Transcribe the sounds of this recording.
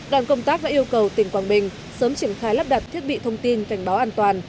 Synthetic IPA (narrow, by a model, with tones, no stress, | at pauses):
ɗwaː˧˩nkə˧wŋ͡mt̪aː˦˥k̚ɗa̰˧ʔi˧əwkə˨˩wt̪ï˧˩ŋ̟kwaː˨˩nɓï˨˩ŋ̟ | səː˨˦mt͡ɕi˧˩ənxaː˧jla˦˥p̚ɗa˨˩t̚t̪ʰi˦˥ət̚ɓḭ˧˨t̪ʰə˧wŋ͡mt̪i˧nka˧˩jŋ̟ɓaː˨˦wʔaː˧nt̪waː˨˩n